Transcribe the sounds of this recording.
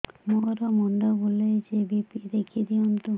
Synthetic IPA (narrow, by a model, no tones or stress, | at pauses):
moɾɔmɔɳɖabolejd͡ʒebipid̪ekʰied̪iɔnt̪u